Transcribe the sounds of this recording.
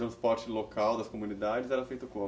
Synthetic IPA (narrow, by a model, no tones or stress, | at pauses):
ɾɐ̃spɔɾt͡ʃɪlokʰawd̪ɐskomũnid̪ad͡ʒɪzɛɾɐfejt̪ʊkõ